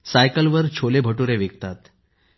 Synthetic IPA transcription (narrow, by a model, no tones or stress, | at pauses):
sajkəlʋəɾt͡ɕʰolebʱəʈuɾeʋeɡt̪at̪